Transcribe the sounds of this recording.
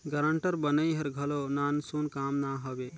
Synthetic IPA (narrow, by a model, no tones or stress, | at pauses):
ɡəɾəɳʈəɾbənəjɦəɾɡʱəlonansunkamnaɦəbe